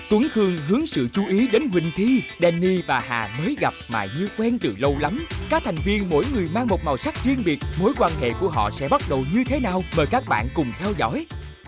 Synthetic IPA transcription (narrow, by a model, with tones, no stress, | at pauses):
t̪wu˨˦ŋxɨ˧əŋɦɨ˨˦əŋsɨ̰˧˨t͡ɕu˧˦ʔi˨˦ɗe˨˦nɦwï˨˩ŋ̟t̪ʰi˧ɗɛ˧nːi˧vaː˨˩ɦa̰ː˨˩məː˨˦jɣa˨˩p̚ma̰ː˨˩ɲɨ˧kwɛ˧nt̪ɨ̰˧˨lə˧wla˨˦mkaː˦˥k̚t̪ʰjŋ̟vi˧ənmo̰˧˥jŋɨ˨˩əjmaː˧ŋmo˨˩t̚maː˨˩wsa˦˥k̚twi˧ənɓi˨˩ət̚mo˨˦jkwaː˧nɦḛ˧˨ku˧˩əɦɔ̰˧˨sɛ̰˧˥ɓa˦˥t̚ɗə˨˩wɲɨ˧t̪ʰe˨˦naː˨˩wməː˨˩jkaː˦˥k̚ɓa̰ː˧˨nkʊ˨˩ŋ͡mt̪ʰɛ˧wzɔ̰˧˥j